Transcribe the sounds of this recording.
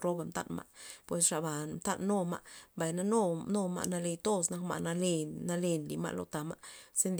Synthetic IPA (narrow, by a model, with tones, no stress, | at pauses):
ɾo˦ba˧mt̪a̰˦nma̰˧ʔpwe˨sʂa˧ba˨mt̪a˦˧nːo˦ma̰˧ʔmba˨jna˧no˦no˦˧ma̰˧ʔna˧le˧jt̪o˦sna˦kma̰˧ʔna˧le˧na˧le˧nli˨ma̰˧ʔlo̰˧t̪a˨ma˧se˧nd̪